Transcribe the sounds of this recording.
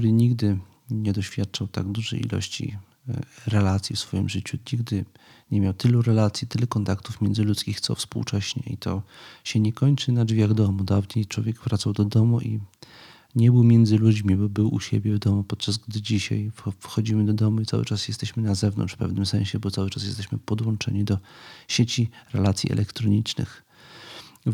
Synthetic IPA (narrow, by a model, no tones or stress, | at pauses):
uɾɘɲiɡd̪ɘ | ɲɛd̪ɔɕfʲjat̪̚t͡ʂawt̪a̰ɡd̪uʐɛ̰jḭlɔ̰ɕt͡ɕḭ | ɾɛlat̪sʲjifsfɔjḭmʐɘt͡ɕuɲiɡd̪ɘ | ɲɛmʲjawt̪ɘluɾɛlat̪sʲjit̪ɘlɛkɔnt̪akt̪ufmʲjɛnd̪zɘlut̪skʲixt̪sɔ̰fspṵwt͡ʂɛɕɲɛ̰ḭt̪ɔɕɛɲɛkɔɲt͡ʂɘnad͡ʐvʲjaɣd̪ɔmud̪avɲejt͡ʂwɔ̰vʲjɛɡvɾat̪sawd̪ɔd̪ɔmuʔḭ | ɲɛbɘwmʲjɛnd̪zɘlud͡ʑmʲibɔbɘwṵɕḛbʲjɛvd̪ɔmupɔt̪̚t͡ʂazɡd̪ɘd͡ʑiɕa̰jfxɔd͡ʑimɘd̪ɔd̪ɔmuit̪sa̰wɘ̰t͡ʂasjɛst̪ɛɕmɘnazɛvnɔ̰nt͡ʂʂfpɛ̰vnɘmsɛ̃ɕɛbɔt̪sawɘt͡ʂasjɛst̪ɛɕmɘpɔd̪wɔnt͡ʂɛ̰ɲid̪ɔɕet͡ɕiɾɛlat̪sʲjḭʔɛ̰lʔɛkt̪ɾɔɲit͡ʂnɘ̰x